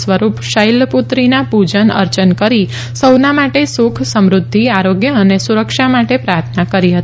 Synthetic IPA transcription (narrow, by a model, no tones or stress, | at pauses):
sʋəɾupʃəjlput̪ɾinapud͡ʒənə̰ɾt͡ʃənkəɾi | səwnamaʈesukʰsəmɾʊd̪ʱːiaɾoɡjəənesuɾəkʃamaʈepɾaɾt̪ʰnakəɾiɦət̪i